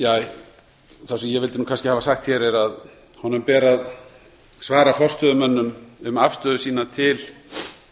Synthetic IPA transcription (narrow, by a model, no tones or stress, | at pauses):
jaːj | θasɛmjɛvɪlt̪ɪnuːkʰanscɪhavasaxt̪çɛːɾɛɾað | hɔnʏmpɛːɾað | svaːɾafɔr̥st̪œðʏmœnːʏmʏmafst̪œːðʏsiːnat̪ʰɪl